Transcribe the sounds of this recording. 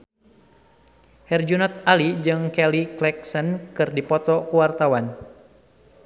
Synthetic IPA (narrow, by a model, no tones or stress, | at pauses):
hɛrd͡ʒunɔt̪̚alid͡ʒɨŋkɛliklɛksənkɨrdipɔt̪ɔkuwart̪awan